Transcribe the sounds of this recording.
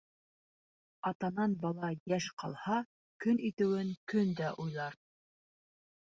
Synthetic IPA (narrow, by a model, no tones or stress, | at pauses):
ɑt̪ɑnɑnbɑlˠɑjæʃqɑlˠhɑ | kɵnit̪ɘ̆wɘŋkɵnd̪æʔujlˠɑɾ